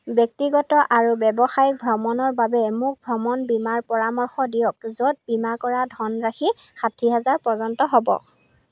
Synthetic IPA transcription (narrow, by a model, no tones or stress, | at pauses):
bjɔk̚tiɡɔtɔʔaɹubɛbɔxajk̚bʱɹɔmɔnɔɹbabɛmuk̚bʱɹɔmɔnbimaɹpɔɹamɔɹxɔdijɔk̚zɔt̚bimakɔɹadʱɔnɹaxixatʰiɦɛzaɹpɔzɔntɔɦɔbɔ̰